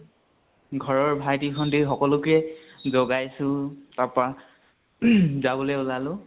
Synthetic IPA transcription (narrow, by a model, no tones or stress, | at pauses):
ɡʱɔɹɔɹbʱajtikʰɔndixɔkɔlʊkɛ | zɔɡajsʊ̃tapa | zabɔlɛʊlalʊ̃